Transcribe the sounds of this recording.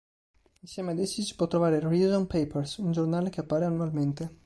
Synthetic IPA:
insjɛːmead̪ɛt͡ʃːisi̥pwɔt̪ːɾovaːɾeɾizompejpersund͡ʒornaːlekeapːaːɾeanːualment̪e

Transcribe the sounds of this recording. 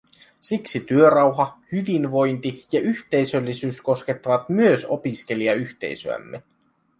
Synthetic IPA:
siksit̪yø̞ɾɑwɦɑhyʋinʋo̞jnt̪ijɑʔyçt̪e̞jsølːisyːsko̞ske̞t̪ːɑʋɑt̪myøso̞pisk̟e̞liɑyçt̪e̞̰jsø̰æ̰mːe

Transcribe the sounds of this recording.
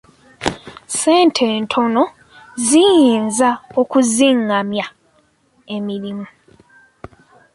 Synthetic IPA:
seːntʰe̞ːntʰo̞no̞ | zijiːnzaokuziŋamja | e̞miɾimu

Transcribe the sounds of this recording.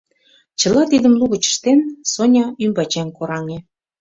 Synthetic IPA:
t͡ɕə̆lɑt̪id̪ə̆mluɣə̆t͡ɕə̥ʃt̪ensonʲɑymbɑt͡ɕeŋkoɾɑŋe

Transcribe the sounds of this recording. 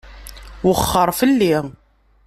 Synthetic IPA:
wəχːəɾˤfəlːi

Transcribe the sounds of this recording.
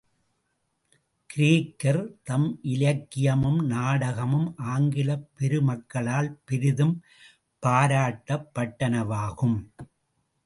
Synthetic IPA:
kɪɾiːkːɐɾt̪ɐmʔɪlɐkːɪjɐmɯmnaːɽɐɣɐmɯmʔaːŋɡɪlɐpːɛɾɯmɐkːɐɭaːlpɪɾɪðɯm | paːɾaːʈːɐpːɐʈːɐnɐʋaːɣɯm

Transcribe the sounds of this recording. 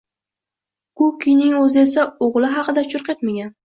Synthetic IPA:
kʊkʲinɪŋɵzɪe̞saoʁlˠɪɦɑqʰɨd̪at͡ʃʰʊɾqʲet̪maɡʲan

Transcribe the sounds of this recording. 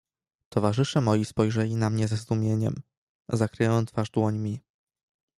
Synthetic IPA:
t̪ɔvaʐɘʂɛmɔjispɔjʐɛlʲinamɲɛzɛzd̪umʲjeɲɛ̰m | zakɾɘjɔnt̪faʐd̪wɔɲmʲi

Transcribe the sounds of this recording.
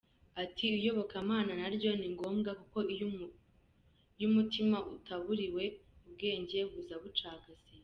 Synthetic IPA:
atʰiujo̞βo̞kamaːnanaɾɟo̞niŋɡo̞ːmɡakuko̞ | jumutimaʔutaβuɾiwe̞ub̚ɡe̞ːɲɟe̞ɡuzaβut͡ʃaːɡaz̥i

